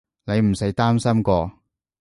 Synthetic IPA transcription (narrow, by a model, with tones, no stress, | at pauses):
ne˨˧jm̩˨˩sɐ˨˥jt̪aː˥msɐ˥mkɔː˧